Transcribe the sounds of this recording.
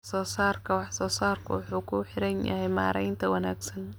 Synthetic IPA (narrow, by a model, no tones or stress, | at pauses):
sɔːsaːrkʰɐwɑħsɔːsaːrkʰɐ̰wɑħuːkʰʊħɪɾɐnjɐ̰ɦɛjma̰ːɾɛjnt̪ʰɐwɐnaːɡsɐn